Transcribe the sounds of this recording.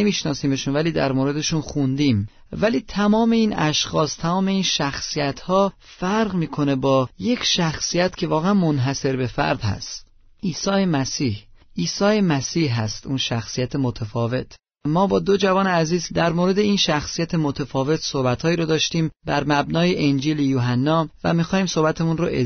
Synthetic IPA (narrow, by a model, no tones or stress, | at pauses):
emiːʃnɒːsiːme̞ʃunvæliːd̪æ̰ɾmoːɾe̞d̪e̞ʃunxund̪iːm | væliːt̪ʰæmɒːme̞iːnæʃxɒːst̪ʰæmɒːme̞iːnʃæxsijæt̪ʰhɒːfæɾɣmiːkʰo̞ne̞bɒːje̞cʰʃæxsijæt̪cʲʰe̞vɒːɣeænmonɦæse̞ɾbe̞fæ̰ɾd̪̥hæ̰st̪ | ʔiːsɒːjemæsiːhʔiːsɒːje̞mæsiːhɦæst̪ʔunʃæxsijæt̪ʰemot̪ʰæfɒːvet̪ʰ | mɒːbɒːd̪o̞d͡ʒævɒːneæziːzd̪æɾmoːɾe̞d̪e̞iːnʃæxsijæt̪ʰemot̪ʰefɒːve̞t̪ʰsohbæt̪hɒːiːɾɔd̪ɒːʃt̪iːmbæɾmæbnɒːjeʔend͡ʒiːlejuːɦænːɒːvæ̰mixɒːhiːmso̞hbæt̪ʰemunɾo̰ʔe